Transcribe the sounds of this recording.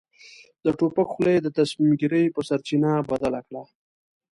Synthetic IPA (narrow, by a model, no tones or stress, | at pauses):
d̪əʈopakxled̪ət̪asmimɡiɾəjpəsaɾt͡ʃinabad̪alakɽa